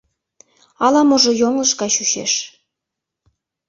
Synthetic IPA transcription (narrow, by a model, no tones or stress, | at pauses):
ɑlɑmoʒŏjoŋlɤ̆ʃkɑɕyʃḛʃ